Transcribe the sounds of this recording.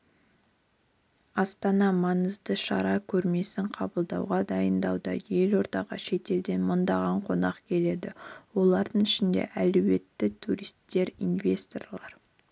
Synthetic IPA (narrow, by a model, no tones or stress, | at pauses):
ɑst̪ɑnɑmɑnəzd̪əʃɑ̰ɾɑkʲʰɵɾme̞sɪɴqʰɑbəlˠd̪ɑwʁɑd̪ɑjənd̪ɑwd̪ɑ̰je̞lo̞ɾt̪ɑʁɑ̰ʃe̞t̪e̞ld̪e̞nmʊnd̪ɑʁɑɴqʰo̞nɑqkʲʰe̞le̞d̪ɪwo̞lˠɑɾd̪əɴɪʃɪnd̪e̞̰ʔæluwe̞t̪ːɪt̪ʰuɾist̪ːe̞ɾinvʲe̞st̪o̞̰rlˠɑɾ